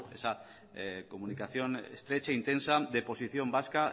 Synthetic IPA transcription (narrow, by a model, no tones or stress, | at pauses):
esa | komunikaθjonḛst̪ɾet͡ʃaint̪ensaðepo̞siθjo̞mbaska